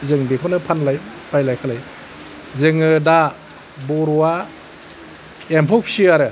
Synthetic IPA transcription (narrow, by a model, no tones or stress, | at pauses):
zɯŋbikʰɔnɯpʰanlajbajlajkʰalaj | zɯŋɯda | bɔɾɔwa | empʰɔksiaɾɯ